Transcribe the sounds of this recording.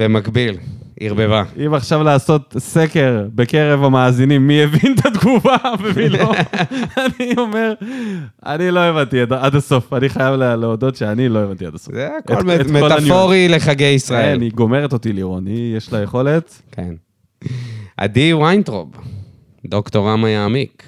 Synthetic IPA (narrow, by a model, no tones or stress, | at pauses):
b̥emakbil | ḭʁbevaimaχʃavlaːso̞tsekeʁbe̞keʁe̞vamaːzinimːievint̪ʰad̪ɡuvavemiloanio̞me̞ʁ | a̰nilo̞evantiadaadaso̞faniχajavleleodo̞tʃeanilo̞evant̪iadasozekeolekmeolafnjoʁileχaɡejisʁaeelniɡo̞me̞ʁeto̞tiliʁonijeʃlajeχo̞le̞t | kḛn | ʔa̰d̪iwajntʁo̰b | d̪oktoʁamajaːmik